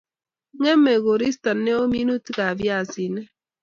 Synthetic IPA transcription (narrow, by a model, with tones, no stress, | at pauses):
ŋɛ˦mɛ˨ɡo˨ɾi˦sta˨nːɛ˦o˦mi˦nu˦tka˨vja˦˨si˨nɛ˦